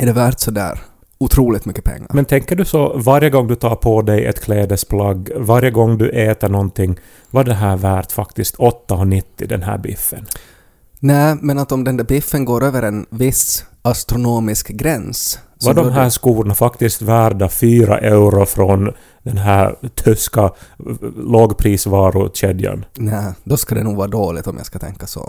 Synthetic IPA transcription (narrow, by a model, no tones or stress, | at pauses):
ɛɖɛvæɾt̪sɔd̪æ̰ːɾ | ʊt̪ʰɾuːlɪt̪mʏkːəpʰɛ̰ŋːa̰mɛnt̪ʰɛŋkːəɖɵsɔvaɾjəɡɔŋːd̪ɵt̪ʰɑːɾpʰɔd̪ɛjɛ̰t̪kʰleːd̪əspʰlɑɡvaɾjəɡɔŋːd̪ɵʔeːt̪əɳɔnt̪ʰɪŋː | vɑɖɛɦæːɾvæːɾt̪fakt̪ɪskt̪ʰɔt̪ːaɔnɪt̪ːɪd̪ɛ̰nɦæ̰ːɾbɪ̰fːə̰n | næːmɛnat̪ɔmd̪ɛnd̪æɾbɪfːənɡoːɾøːvəɾɛnvɪsast̪ɾʊnoːmɪskɡɾɛns | vaɖɔmɦæːʂkuːɾɳafakt̪ɪst̪væːɾɖafyːɾa̰ʔɛʉɾʊfɾɔn | d̪ɛnɦæːɾt̪ʰʏska | loːɡpʰɾiːsvɑːɾʊɕɛd̪ja̰nnæːd̪ɔskad̪ɛ̰nuːɡvɑːɾad̪oːlɪt̪ɔmja̰jskat̪ʰɛ̰ŋkːasɔ̰